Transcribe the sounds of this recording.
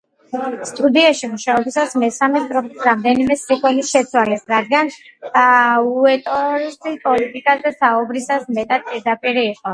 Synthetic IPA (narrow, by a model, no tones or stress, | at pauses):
st̪ʼud̪iaʃimuʃaɔbisasmɛsamɛt̪ʼɾɔpisɾamd̪ɛnimɛsiχʰwɛlisʃɛt̪sʰwalɛsɾad̪̚ɡan | uɛt̪ʼɔɾsipʼɔlit̪ʼikʼazɛsaubɾisasmɛt̪ʼad̪̚pʼiɾd̪apʼiɾiːqʼɔ